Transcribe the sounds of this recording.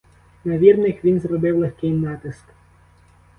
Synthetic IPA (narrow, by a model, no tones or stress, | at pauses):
nɐʋʲirnɪxʋʲinzrɔbɪwlˠexkɪjnɑt̪ɪsk